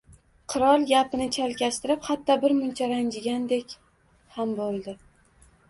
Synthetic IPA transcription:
qʰɨɾɒlˠɡʲapɪnɪt͡ʃʰalkʲast̪ɪɾɪphat̪ʰːɒbɪɾmʊnt͡ʃʰaɾand͡ʒɪɡʲand̪e̞kʲ | hambolˠd̪ɪ

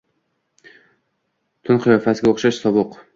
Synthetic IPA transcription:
t̪ʰʊnqʰɨjɒfasɪɡʲaoχʃaʃsɒbʊq

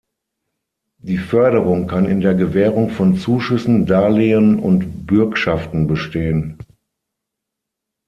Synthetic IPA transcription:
d̥iːfœɐɾəʁʊŋkʰanɪ̰ndeːɐɡəvɛːʁʊŋfɔnt͡suːʃʏsn̩daːleənʊ̰ntb̥ʏɐkʃaftn̩bəʃteːən

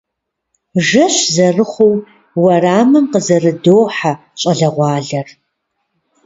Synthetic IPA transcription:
ʒɐɕzɐrɨχʷow | wɐraːmɨnqəzɐrɨdoːħa | ɕʼɐɮɐʁʷɑːɮɐr

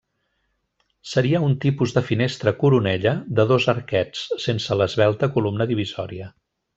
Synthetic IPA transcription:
səɾiəunt̪ipuzðəfinest̪ɾəkuɾunɛʎəðəðozəɾkɛt͡ssensələzβɛlˠt̪əkulumnəðiβ̞izɔɾiə

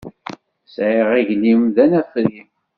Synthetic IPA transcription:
sʕiʁiʝnimðænæθɾim

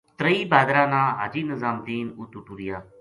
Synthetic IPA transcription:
t̪ɾəiːbaːd̪ɾãːnãːɦaːd͡ʒiːnəzaːmd̪iːnʊt̪ːuʈuɾɪjaː

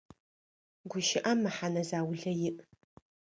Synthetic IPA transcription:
ɡʷʊʃɪʔɐmːɨħanɐzaːwɮɐjɪʔ

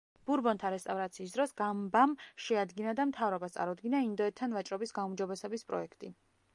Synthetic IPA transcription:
b̥uɾbɔnt̪ʰaɾɛst̪ʼavɾat̪sʰiːs̬d̪ɾɔsɡambamʃɛad̪ɡinad̪amt̪ʰavɾɔbast̪sʼa̰ɾud̪ɡinaind̪ɔɛt̪ʰːanvat͡ʃʼɾɔbisɡaumd͡ʒɔbɛsɛbispʼɾɔ̰ɛkʰt̪ʼi

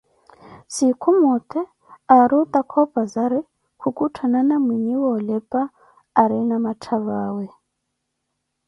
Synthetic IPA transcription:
sikʰumɔt̪ʰʼɛ | aɾut̪ʼakʰɔpʼazaɾi | kʰukʼutʰananamwiɲiwɔlɛpʼaː | ɾinamatʰaβaːwɛ

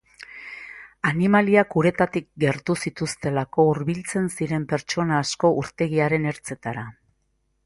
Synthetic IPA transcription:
animaliakuɾe̞t̪at̪ik̚ɡe̞ɾt̪usit̪ust̪e̞lako̞uɾβilt͡se̞nsiɾe̞mpe̞ɾt͡ʃo̞naːsko̞ʔuɾt̪e̞ɣ̞iaɾe̞ne̞ɾt͡se̞t̪aɾa

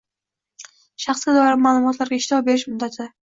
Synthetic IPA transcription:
ʃɑχsɡʲad̪ɒɪɾɪmaːlˠʊmɒt̪laɾɡʲaɪʃt̪ʰɪɒbe̞ɾɪʃmʊd̪ːat̪ʰɪ

